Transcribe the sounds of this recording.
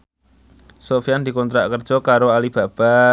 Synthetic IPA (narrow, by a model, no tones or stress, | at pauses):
sofijand̪i̤kɔnt̪ɾa̰ʔkərd̥ʒ̥ɔkaɾoalib̥a̤b̥a̤